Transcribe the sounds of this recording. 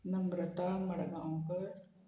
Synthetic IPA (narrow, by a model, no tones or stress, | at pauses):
nɐmɾɐt̪aːmɐɽɐɡaːpɐɾ